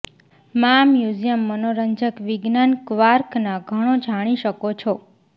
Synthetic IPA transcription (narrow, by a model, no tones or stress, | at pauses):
mamjud͡ʒijəmːənoɾəɲd͡ʒəkʋiɡnankʋaɾknaɡʱəɽ̃od͡ʒʱaɽ̃iʃəkot͡ʃʰo